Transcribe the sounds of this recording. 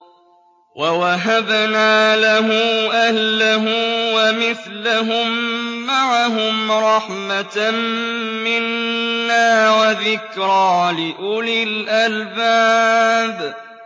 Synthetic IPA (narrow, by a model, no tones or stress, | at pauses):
wʔawaɦabnaːlaɦʊmʔahlaɦʊmwamɪθlaɦʊmːaʕaɦʊmɾˤɑħmat | mɪnːaːwaðɪkɾɑːlɪʔʊlɪlʔalbaːb